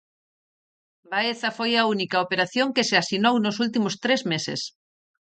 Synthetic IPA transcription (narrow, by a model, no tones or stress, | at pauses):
baeθɐfojaunikaopeɾaθjoŋkeseasinownʊs̬ult̪̬imʊst̪ɾezmesḛs